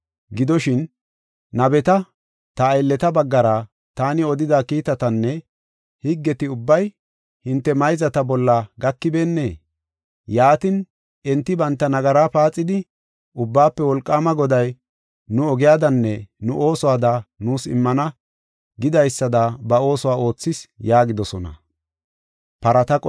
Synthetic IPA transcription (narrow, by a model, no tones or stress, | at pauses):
ɡɪd̪ɔʃɪn | nɐbɛt̪ɐ | t̪ɐːjlːɛt̪ɐbɐɡːɐɾa | t̪aːnɪɔd̪ɪd̪aːkiːt̪ɐt̪ɐnːɛ | hɪɡːɛt̪ɪʊbːɐj | hɪnt̪ːɛmɐjzɐt̪ɐbɔlːɐɡɐkːɪbe̞ːnːe̞ː | jaːt̪ɪn | ʔɛnt̪ːɪbɐnt̪ːɐnɐɡɐɾaːpaːt͡sʼːɪd̪ɪ | ʔʊbːaːpːɛwɔlkʼːaːmɐɡɔd̪ɐj | nʊɔɡɪjaːd̪ɐnːɛnʊʔo̞ːsɔwaːd̪ɐnuːsɪ̰mːɐnɐ | ɡɪd̪ɐjsːɐd̪ɐbɐo̞ːsɔwaːʔo̞ːt͡sːɪsjaːɡɪd̪ɔsɔnɐ̰ | pɐɾɐt̪ɐkʼ